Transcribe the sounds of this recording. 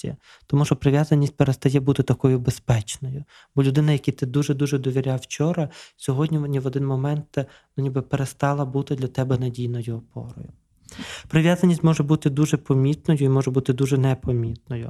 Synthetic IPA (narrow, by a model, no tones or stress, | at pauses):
ḭɐ̰ | t̪ɔmuʃɔpɾɪʋʲjazɐnʲːisʲt̚ʲpeɾest̪ɐjɛbut̪ɪt̪ɐkɔjʊbespɛt͡ʃnɔjʊ | b̥ɔlʲʊd̪ɪnɐjɐkʲit̪ɪd̪uʒɛd̪uʒɛd̪ɔʋʲiɾʲawt͡ʃɔɾɐsʲɔɦɔdʲnʲinʲiʋɔd̪ɪnmɔmɛnt̪ | nʊnʲibɪpeɾest̪ɑlˠɐbut̪ɪd̪lʲɐt̪ɛbɛnɐdʲijnɔjʊɔpɔ̰ɾɔ̰jʊ | pɾɪʋjazɐnʲisʲtʲmɔʒɛbut̪ɪd̪uʒɛpɔmʲit̪nɔjʊimɔʒɛbut̪ɪd̪uʒɛnɛpɔmʲit̪̚nɔjʊ̰